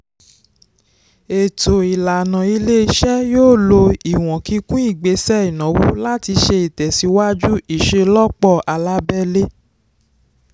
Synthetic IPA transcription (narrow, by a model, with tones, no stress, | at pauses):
e˨to˨i˨la˨nã˨i˧le˦i˧˦ʃɛ˦joː˦˨lo˧i˨w̃ɔ̃˨ki˧˦kũ˦i˦˨ɡ͡be˨˦sɛ˦i˨nɔ̃˨wu˦la˦ti˧ʃe˧i˨tɛ˨si˨˦wa˦d͡ʒu˦i˦˨ʃe˧lɔ˦k͡pɔ˦˨a˨la˦bɛ˦le˦